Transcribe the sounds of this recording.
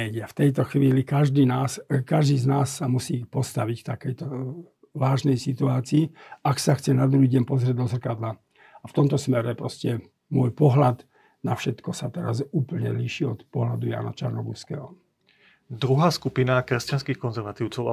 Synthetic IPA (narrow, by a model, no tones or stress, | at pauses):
ɛɟɛaft̪ɛjt̪ɔxʋiːlikaʒd̪iːnaːskaʒd̪iːznaːsːamusiːxpɔst̪aʋicft̪akɛjt̪ɔ | ʋaːʒnɛjsit̪uaːt͡siːaksaxt͡sɛnad̪ɾuɦiːɟɛmpɔzɾɪɛd̪d̪ɔzr̩kad̪la | aft̪ɔmt̪ɔsmɛɾɛpɾɔscɛ | mʊɔjpɔɦlad̪ | nafʃɛt̪kɔsat̪ɛɾa̰zuːpl̩ɲɛ̰liːʃiɔt̪pɔɦlad̪uja̰ːna̰t͡ʃaɾnɔɡuskɛːɦɔ | d̪ɾuɦaːskupinakɾɛscanskiːxkɔnzɛɾʋat̪iʊt͡sɔʊa